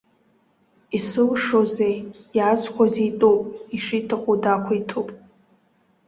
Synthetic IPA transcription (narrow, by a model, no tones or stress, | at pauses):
isɨlʂozejjazkʷʰazejtʼopʼiʂitʰɨqʼodakʷʰaitʰopʼ